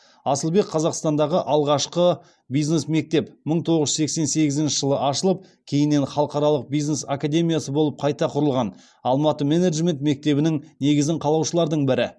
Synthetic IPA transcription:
ɑsəlˠbe̞kqʰːɑzɑqst̪ɑnd̪ɑʁəʔɑlˠʁɑʃqə | bijzne̞sme̞k̚t̪e̞pməɴt̪ʰo̞ʁəʒʏ̥se̞kse̞nse̞ɡʲɪzɪnʃɪʒəlˠəʔɑʃəlˠəp̚ | kʲʰe̞jɪnːe̞nχɑlˠəqɑɾɑlˠəq̚bijznesakad̪ʲe̞mʲijasəbo̞lˠəp̚qʰɑjt̪ɑqʰʊɾəlˠʁɑn | ɑlˠmɑt̪əmeneʒmʲe̞nt̪me̞k̚t̪e̞bɪnɪŋne̞ɡʲɪzɪɴqʰɑlˠɑwʃəlˠɑɾd̪əɴbɪɾɪ

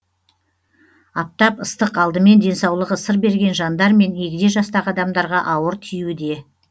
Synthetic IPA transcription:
ɑp̚t̪ɑpəst̪əqɑlˠd̪əme̞nd̪e̞nsɑwlˠəʁəsəɾbe̞ɾɡʲe̞nʒɑnd̪ɑɾme̞ne̞ɡʲɪd̪e̞ʒɑst̪ɑʁɑd̪ɑmd̪ɑɾʁɑʔɑwəɾt̪ʰijwɪd̪e̞

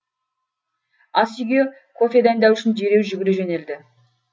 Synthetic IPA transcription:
ɑsijɡʲe | kʰo̞fe̞d̪ænd̪ɑwʏʃɪnʒeɾe̞wʒʏɡʲɪɾeʒene̞ld̪ɪ

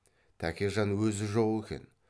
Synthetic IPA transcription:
t̪ʰækʲeʒɑnwɵzɪʒolˠʏkʲḛn

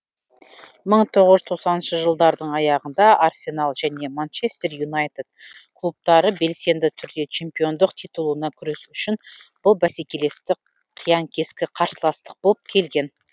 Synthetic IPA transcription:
məɴt̪ʰo̞ʁəʒzt̪ʰoqsɑnənʃəʒəlˠd̪ɑɾd̪əɴɑjɑʁənd̪ɑʔarsʲe̞nalˠʒæne̞mant͡ʃe̞st̪e̞rjunajt̪ed̪̥̚kʰlˠup̚t̪ɑɾəbe̞lse̞nd̪ɪt̪ʰʏɾd̪e̞t͡ʃʰe̞mpʲijo̞nd̪əqt̪ʰijt̪ulˠuənɑkʲʰʏɾe̞suʏʃɪnb̥ʊlˠbæse̞kʲe̞le̞st̪ɪ | qʰːijɑŋkʲʰe̞skʲɪqʰɑɾsəlˠɑst̪ə̥q̚bo̞lˠəp̚kʲʰe̞lɡʲe̞n

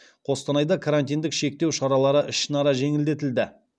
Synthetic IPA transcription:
qʰo̞st̪ɑnɑjd̪ɑkʰaɾant̪ijnd̪ɪkʃe̞k̚t̪e̞wʃɑɾɑlˠɑɾəʔɪʃɪnɑɾɑʒe̞ŋɪld̪e̞t̪ɪld̪ɪ

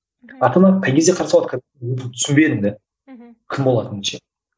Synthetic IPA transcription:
ɑt̪ənɑqʰːɑjɡʲezd̪ʲeqʰɑɾsɑlˠɑt̪ʰ | pɪt̪ʰʏ̥sʏmbed̪ɪnd̪e | kʲʰɪmbo̞lˠɑt̪ənɪʃe

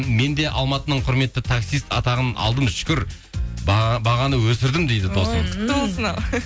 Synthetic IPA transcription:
me̞nd̪e̞ʔɑ̰lˠmɑt̪ənəɴqʰʊɾme̞t̪ːɪt̪ʰaksijst̪ɑt̪ɑʁənɑ̰lˠd̪əmʃʏ̥kʲʏɾ | bɑʁɑnəwɵsɪɾd̪ɪmd̪e̞jd̪ɪd̪ost̪ʰɪkt̪osənɑw

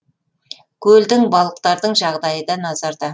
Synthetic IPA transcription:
kʲʰɵld̪ɪŋbɑlˠəq̚t̪ɑɾd̪əɴʒɑʁd̪ɑjəd̪ɑnɑzɑɾd̪ɑ

